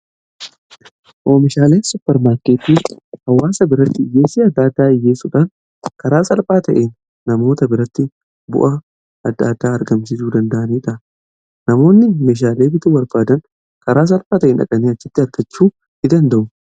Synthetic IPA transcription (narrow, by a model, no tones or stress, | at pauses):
ʔoːmɪʃaːle̞ːsʊpːɛɾmaːɾkeːt̪ːiːhɐwːaːsɐbɪɾɐt̪ːɪɪjːe̞ːsiːɐd̪ːaːd̪ːaːɪjːeːsuːᶑaːn | kɐɾaːsɐlfaːt̪ɐʔeːnː | ɐmo̞ːt̪ɐbɪɾɐt̪ːɪ | bʊ̰ʔɐ | ɐd̪ːaːd̪aːɐɾɡɐmsɪsuːd̪ɐnd̪ɐʔɐniːᶑɐ | nɐmo̞ːnːɪmeːʃ̬aːle̞ːbɪt̪uwɐɾbaːd̪ɐn | kɐɾaːs̬ɐlfaːt̪ɐʔeːnɐ̰kʼɐniːɐt͡ʃːɪt̪ːɪɐɾɡɐt͡ʃːuː | ɪd̪ɐnd̪ɐʔʊ